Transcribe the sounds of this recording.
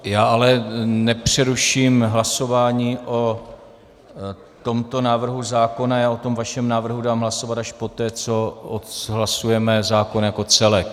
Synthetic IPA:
jaːalɛnɛpr̝̥ɛɾuʃiːmɦlaso̞vaːɲiːʔo̞ | t̪o̞mt̪o̞naːvr̩ɦuzaːko̞najaːo̞t̪o̞mvaʃɛmnaːvr̩ɦudaːmɦlaso̞vat̪aʃpo̞t̪ɛːt͡so̞ot̪ɦlasujɛmɛzaːko̞njako̞t͡sɛlɛk

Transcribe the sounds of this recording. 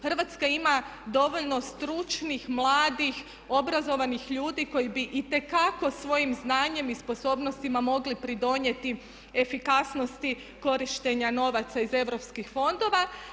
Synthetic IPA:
xərʋat̪skaimad̪o̞ʋo̞ʎno̞st̪ɾut͡ʃnixmlˠaːd̪ix | o̞bɾazo̞ʋanixʎuːd̪iko̞jibiʔit̪e̞kako̞sʋo̞jimznaːɲe̞mispo̞so̞ːbno̞st̪imamo̞ɡlipɾid̪o̞ɲe̞t̪i | e̞fikasno̞st̪i | ko̞ɾiʃt̪eɲano̞ʋat̪saize̞ʋɾo̞pskixfo̞nd̪o̞ʋa

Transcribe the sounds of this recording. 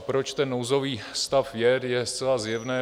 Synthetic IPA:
pɾot͡ʃt̪ɛnːowzoviːst̪afvjɛɾjɛst͡sɛlazjɛvnɛː

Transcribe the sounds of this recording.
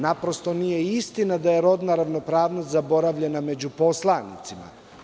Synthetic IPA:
napɾo̞st̪o̞nije̞ist̪inad̪ajeɾo̞d̪naɾaʋno̞pɾaːʋnost̪ʲzabo̞ɾaʋʎe̞name̞d͡ʑupo̞slˠanḭt̪sima̰

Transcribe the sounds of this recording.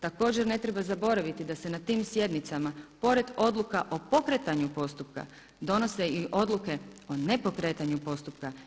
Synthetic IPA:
t̪ako̞ːd͡ʑe̞ɾne̞t̪ɾe̞bazabo̞ɾaʋit̪id̪ase̞nat̪iːmsje̞d̪nit̪samapo̞ɾe̞d̪o̞d̪lˠukaʔo̞po̞kɾet̪aɲupo̞st̪upka̰ | d̪o̞no̞seiʔo̞d̪lˠuke̞o̞ne̞po̞kɾe̞ːt̪aɲupo̞st̪upka

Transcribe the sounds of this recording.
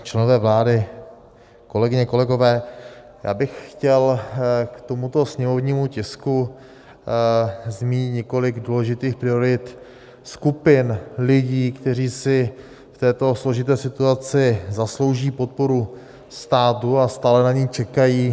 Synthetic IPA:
t͡ʃlɛnovɛːvlaːdɪ | ko̞lɛɡɪɲɛko̞lɛɡo̞vɛː | ja̰ːbɪxxcɛlkt̪o̞mut̪o̞sɲɛmo̞vɲiːmucɪsku | zmiːɲɪt̪ɲɛko̞lɪɡduːlɛʒɪt̪iːxpɾɪo̞ɾɪt̪ | skupɪnlɪɟiːkt̪ɛriːsɪ | ft̪ɛːt̪o̞slo̞ʒɪt̪ɛːsɪt̪uat͡sɪzaslo̞wʒiːpo̞t̪̚po̞ɾu | st̪aːt̪uast̪aːlɛnaɲiːt͡ʃɛkajiː

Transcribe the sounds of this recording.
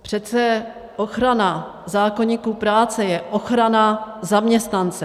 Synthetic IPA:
pr̝̥ɛt̪t͡sɛ | ʔo̞xɾana | zaːkoɲiːkuːpɾaːt͡sɛjɛʔo̞xɾanazamɲɛst̪nant͡sɛ

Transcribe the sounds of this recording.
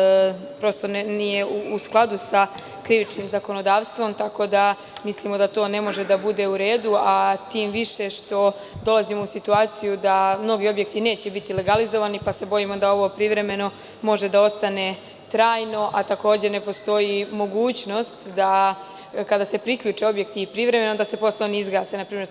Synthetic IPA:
pɾo̞st̪o̞nnijeuusklˠad̪usa | kɾiʋit͡ʃniːmzako̞no̞d̪aːʋst̪ʋo̞mt̪ako̞d̪a | mislimo̞d̪at̪o̞ːne̞mo̞ʒe̞d̪abud̪e̞uɾe̞ːd̪uat̪iːmʋiʃe̞ʃt̪o̞ | d̪o̞lˠazimo̞usit̪uaːt̪sijud̪amno̞ɡio̞bje̞kt̪ine̞ːt͡ɕebit̪ile̞ɡalizo̞ʋanipase̞bo̞jimo̞d̪ao̞ʋo̞pɾiʋɾe̞me̞no̞ | mo̞ʒe̞d̪ao̞st̪ane̞ | t̪ɾaːjno̞ʔat̪ako̞ːd͡ʑene̞po̞st̪o̞jimo̞ɡuːt͡ɕno̞st̪d̪a | kad̪ase̞pɾikʎuːt͡ʂe̞o̞bjek̚t̪iːpɾiʋɾe̞me̞nod̪ase̞po̞sloniizɡaːsenapɾiːmeɾ

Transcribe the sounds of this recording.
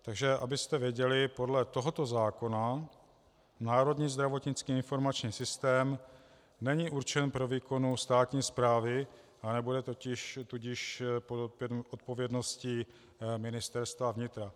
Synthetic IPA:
t̪aɡʒɛʔa̰bɪst̪ɛvjɛɟɛlɪpo̞dlɛt̪o̞ɦot̪o̞zaːko̞na | naːɾo̞dɲiːzd̪ɾavo̞t̪ɲɪt͡skiːɪnfo̞ɾmat͡ʃɲiːsɪst̪ɛːm | nɛɲiʔuɾt͡ʃɛnpɾo̞viːko̞nust̪aːt̪ɲiːspɾaːvɪ | ʔanɛbudɛt̪o̞cɪʃt̪uɟɪʃpot̪̚po̞vjɛdno̞scɪ | mɪnɪst̪ɛɾst̪vavɲɪt̪ɾa

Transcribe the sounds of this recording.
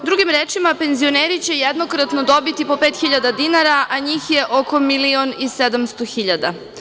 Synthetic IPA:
d̪ɾuɡimɾeːt͡ʃimape̞nzio̞neːɾit͡ɕe̞jed̪no̞kɾat̪no̞d̪o̞bit̪ipo̞peːt̪xiʎad̪ad̪inaɾaʔaɲiːxje̞ʔo̞ko̞milionised̪amst̪o̞xiʎad̪a̰

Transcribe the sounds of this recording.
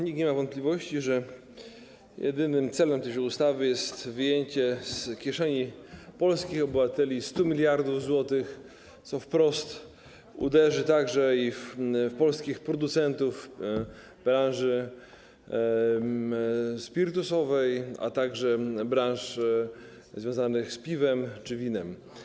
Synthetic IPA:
ɲikɲeɛmavɔnt̪plʲivɔɕt͡ɕiʐɛ | jʔɛ̰d̪ɘnɘmt̪sɛlɛmt̪ɛjud̪ust̪avɘjɛst̪vɘjeɲt͡ɕɛskʲjɛʂɛɲipɔlskʲixɔbɘvat̪ɛlʲist̪umʲilʲjaɾd̪uvzwɔt̪ɘx | t̪sɔfpɾɔst̪ | ṵd̪ɛʐɘt̪aɡʐɛiffpɔlskʲixpɾɔd̪ut̪sɛnt̪uf | b̥ɾãwʐɘ | spʲiɾt̪usɔvɛja̰t̪aɡʐɛbɾãnʂ | zvʲjɔ̃zanɘxspʲivɛmt͡ʂɘvʲinɛm

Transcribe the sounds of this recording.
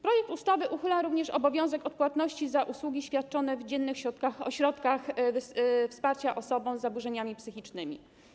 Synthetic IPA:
pɾɔjɛk̚t̪ust̪avɘʔuxɘlaɾuvɲɛʂɔbɔvʲjɔ̃w̃zɛkɔt̪̚pwat̪nɔɕt͡ɕizaʔuswuɡʲiɕfʲjat̪̚t͡ʂɔnɛvd͡ʑɛnːɘxɕɾɔt̪kaxɔɕɾɔt̪kax | fspaɾt͡ɕaʔɔsɔbɔ̃w̃zːabuʐɛɲamʲipsɘxʲit͡ʂnɘmʲḭ

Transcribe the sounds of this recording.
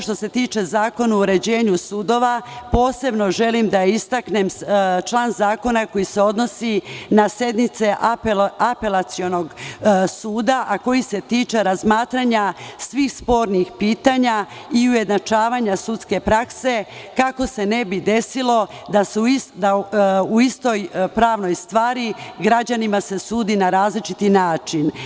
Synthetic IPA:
ʃt̪ose̞t̪iːt͡ʃe̞zaːko̞nauɾe̞d͡ʑe̞ːɲusud̪o̞ʋapo̞ːse̞bno̞ʒe̞limd̪aist̪akne̞mt͡ʃlˠaːnzaːko̞nako̞jise̞o̞d̪no̞sinasje̞d̪nit̪se̞ʔpape̞lat̪sio̞no̞ɡsuːd̪aʔako̞jise̞t̪iːt͡ʃeɾazmaːt̪ɾaɲasʋiːxspo̞ɾnixpiːt̪aɲaiuje̞d̪nat͡ʃaːʋaɲasut̪ske̞pɾakse̞kako̞se̞ne̞bid̪e̞silo̞d̪asusd̪auist̪o̞jpɾaːʋno̞jst̪ʋaːɾiɡɾad͡ʑanimase̞suːd̪inaɾaːzlit͡ʃit̪inaːt͡ʃin

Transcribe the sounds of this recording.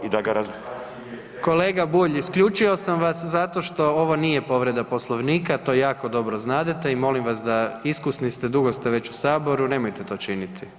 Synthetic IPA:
id̪aɡaɾazu | ko̞le̞ːɡabuːʎiskʎut͡ʃio̞samʋaszat̪o̞ʃt̪o̞oʋo̞nije̞po̞ʋɾe̞d̪apo̞slˠoʋniːkat̪o̞ːjaːko̞d̪o̞bɾoznaːd̪et̪eimo̞limʋasd̪aiskusnist̪e̞d̪uɡo̞st̪eʋe̞t͡ɕusaːbo̞ɾune̞mojt̪et̪o̞ːt͡ʃinit̪ʰi

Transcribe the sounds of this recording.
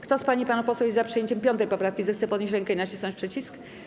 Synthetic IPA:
kt̪ɔspaɲipanupɔswɛjezzapʂɨjeɲt͡ɕɛmpʲjɔnt̪̬ɛjpɔpɾafkʲizɛxt̪sɛpɔd̪ɲeɕ̬ɾɛŋkɛinat͡ɕisnɔ̃ɲt͡ɕʲpʂɛt͡ɕisk

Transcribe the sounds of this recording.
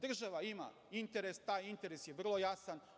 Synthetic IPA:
d̪r̩ʒaʋaima̰ | int̪eɾest̪aːjint̪e̞ɾesjeʋr̩lˠo̞jasan

